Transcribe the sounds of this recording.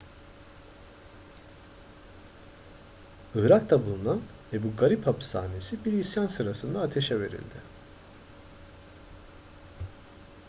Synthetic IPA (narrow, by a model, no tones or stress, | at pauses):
ɯːɾakt̪abulˠunan | vɛbuɡaɾiphapʰsa̰ːne̞sibiɾisjansɯɾasɯnd̪aːt̪ʰe̞ʃɛve̞ɾḭlʲd̪ɪ